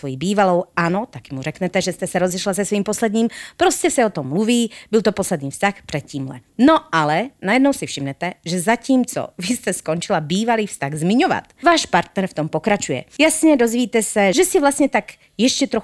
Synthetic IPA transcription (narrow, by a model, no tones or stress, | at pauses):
sʋojibiːvalowanot̪akimuɾɛkɲɛt̪ɛʒɛst̪ɛsɛɾɔzɛʃlasɛsʋiːmposlɛd̪ɲiːmpɾoscɛsɛɔt̪ɔmːluviːbilt̪oposlɛd̪niːfst̪axprɛt̪̚ciːmlɛ̰noalɛnajɛd̪nɔwsifʃimɲɛt̪ɛʒɛzaciːmt͡sɔ̰vist̪ɛskont͡ʃilabiːvaliːfst̪aɣzmiɲova̰t̪vaːʃpaɾt̪nɛɾft̪ɔmpokɾat͡ʃujɛ̰jasɲɛd̪ozʋiːt̪ɛsɛʒɛsivlast̪ɲɛt̪ak | jɛʃcɛt̪ɾox